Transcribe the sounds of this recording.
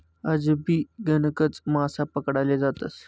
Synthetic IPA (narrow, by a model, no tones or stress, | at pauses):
əd͡zbʱiːɡənəkət͡smasapəkɽaled͡zat̪ə̰s